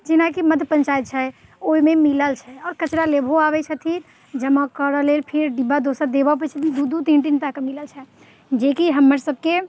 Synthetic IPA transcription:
d͡ʒɪnakiməd̪ʱpə̃nt͡ʃaːjət̪̚t͡ʃʰɛ | oːimẽmɪləlt͡ʃʰɛɔːɾkət͡ʃɾaleːbʱoaːʋɛt͡ʃʰət̪ʰi | d͡ʒəmãkəːɾəleːlpʰɪɾɖibad̪oːsəɾd̪eːbap̬ət͡ʃʰət̪ʰid̪ud̪ʱut̪ĩnʈ̬int̪akamɪləlt͡ʃʰɛ | d͡ʒeːkiɦɐmːəɾsəb̚ke

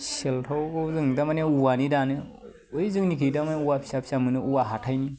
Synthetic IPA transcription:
seltʰawzɯŋdamaneuwanidanɯ | ɯjzɯŋnikʰɯjdamaneuwapʰi̥sapʰi̥samɯnɯuwaɦatʰajni

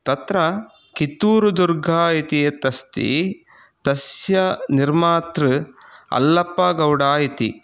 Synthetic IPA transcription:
t̪ɐt̪ɾɐ | kit̪uːɾud̪uɾɡʱaːit̪iet̪ɐst̪ḭ | t̪ɐsjɐniɾmaːt̪ɾɨɐ̰lːɐpːɐɡɐwɽaːjit̪ḭ

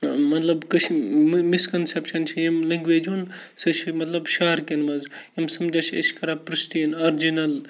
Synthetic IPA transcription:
mɐt̪lɐbkɐt͡ʃʰmmiskɐnsepʃɐnt͡ʃʰijɐmlɐŋɡʋeːd͡ʒunsɐt͡ʃʰimɐt̪lɐbʃaːɾkenmɐzjimsɐmd͡ʒaːt͡ʃʰiɐ̰ʃkɐɾapɾɨʃt̪iinaɾd͡ʒinɐl

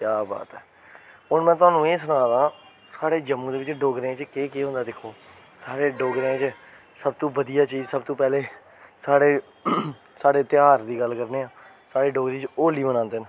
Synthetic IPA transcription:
kjaːba̰ːt̪ɛː | ʊnmɛ̃ːt̪ʊaːnũːeːsʊnãːd̪ãː | saːɽeːd͡ʒəmũːd̪eːʋɪt͡ʃɖoːɡɾẽːt͡ʃkeːkeːɦʊ̃nd̪aːd̪ɪkʰoː | saːɽeːɖoːɡɾẽt͡ʃ | səb̚t̪õːbəd̪ijaːt͡ʃiːd͡ʒsəb̚t̪õːpɛːleː | saːɽeː | saːɽeːt̪ɪjaːɾd̪iːɡəlkəɾneːãː | saːɽeːɖoːɡɾeːt͡ʃoːliːbənãːnd̪eːnə

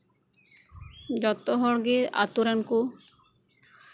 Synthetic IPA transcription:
d͡ʒɔt̪ɔɦɔɽɡea̰t̪uɾanku

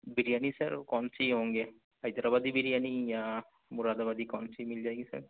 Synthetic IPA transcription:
biɾijanisɐ̰ɾkɔnsiɦoŋɡe | ajd̪aɾabad̪ibiɾijanija | muɾad̪abad̪ikɔnsimild͡ʒajɡisɐ̰ɾ

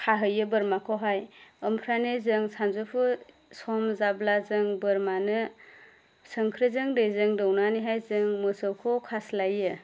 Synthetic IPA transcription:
kʰaɦɯjɯbɯɾmakʰɔɦajɯmpʰɾanezɯŋsanzopʰu | sɔmzablazɯŋbɯɾmanɯ | sɯŋkʰɾɯzɯŋdɯjzɯŋdɔwnaniɦajzɯŋmɯsɔwkʰɔkʰaslajɯ

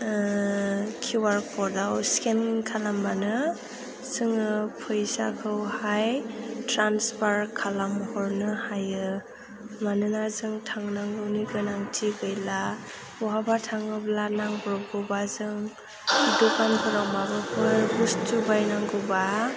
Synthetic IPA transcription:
kʰiwaɾkʰɔɾdawskenkʰalambanɯ | sɯŋɯpʰɯjsa̰kʰɯwhajtɾanspʰaɾkʰalamhɔɾnɯhajɯ | manɯnazɯŋtʰaŋnaŋɡɯwniɡɯnaŋtʰiɡɯjla | ɔɦabatʰaŋɯblanaŋbɾɔɡɯbazɯŋ | dukanpʰɯɾawmabɯpʰɯbustʰubajnaŋɡɯwba

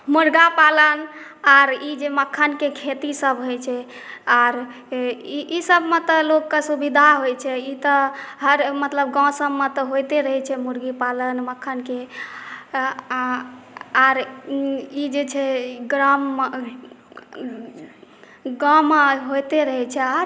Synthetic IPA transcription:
muɾɡapalən | aɾid͡ʒeməkʰːənkekʰet̪isəbɦojt͡ʃʰɛ | aɾ | iisəbmet̪ɔlokːesubid̪ʱaɦojt͡ʃʰɛit̪ɔɦəɾmət̪ləb̚ɡãsəbmẽt̪ɔɦojt̪eɾəɦɛt͡ʃʰɛmuɾɡipalənməkʰːənke | aɾ | id͡ʒet͡ʃʰɛɡɾam | ɡãmeɦojt̪eɾəɦɛt͡ʃʰɛaɾ

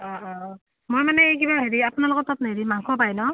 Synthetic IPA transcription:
ɔ | mojmanɛejk̬ibaɦeɹiapunalokɔtːɔtnaɦeɹimaŋkʰɔpajnɔ

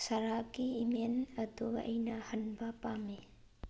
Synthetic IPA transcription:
sɐɾakiːmenɐduɐ̰jnɐhɐnbɐpami

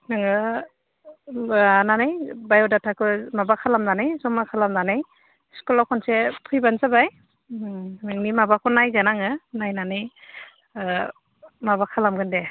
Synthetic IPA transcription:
nɯŋɯ | nanajbajɔdatʰakɯmabakʰalamnanajzɔmakʰalamnanaj | skulawkʰɔnsepʰujbansabaj | nɯŋnimabakʰɔnajɡanaŋɯnajnanɯj | mabakʰalamɡɯnde

